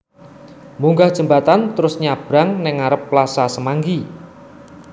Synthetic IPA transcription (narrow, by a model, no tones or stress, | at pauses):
muŋɡahd̥ʒ̥ə̤mbat̪ant̪əɾʊsɲab̥ɾaŋnɪŋaɾəpːlasasəmaŋɡi